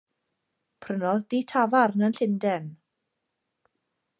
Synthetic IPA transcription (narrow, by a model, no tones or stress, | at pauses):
pʰrənɔðditʰavarnənɬɪndɛn